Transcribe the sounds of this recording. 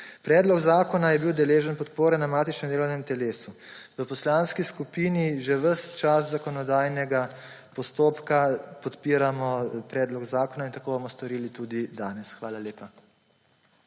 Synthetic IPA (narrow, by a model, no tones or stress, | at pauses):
pɾɛːd̪lɔɡzaːkɔnajɛbiwd̪ɛleːʒənpɔt̪poːɾɛnamaːt̪it͡ʃnɛmd̪eːlɔwnɛmt̪ɛleːsuʋəpɔslaːnskiskupiːniʒɛʋəst͡ʃaszakɔnɔd̪aːjnɛɡa | pɔst̪oːpkapɔt̪piːɾamɔpɾɛːd̪lɔɡzaːkɔnaint̪akoːbomɔst̪ɔɾiːlit̪ud̪id̪aːnɛsxʋaːlaleːpa